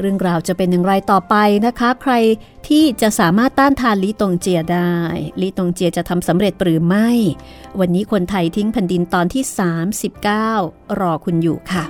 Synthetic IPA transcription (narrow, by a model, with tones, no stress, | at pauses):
ɾɯ˥˩əŋɾaː˧wt͡ɕa˨˩pe˧nja˨˩ŋɾa˧jt̪ɔː˨˩pa˧jna˦˥kʰa˦˥kʰɾa˧j | t̪ʰiː˥˩t͡ɕa˨˩ʔsaː˩˦maː˥˩t̪ːaː˥˩nt̪ʰaː˧nliː˦˥t̪o˧ŋt͡ɕi˧ɐdaː˥˩jliː˦˥t̪o˧ŋt͡ɕi˧ət͡ɕa˨˩t̪ʰa˧msa˩˦mɾe˨˩t̪̚ɾɯː˩˦ma˥˩j | wa˧nːiː˦˥kʰo˧nt̪ʰa˧jt̪ʰi˦˥ŋpʰɛ˧ndi˧nt̪ɔː˧nt̪ʰiː˥˩saː˩˦msi˨˩p̚kaː˥˩wɾɔː˧kʰu˧njṵː˨˩kʰa˥˩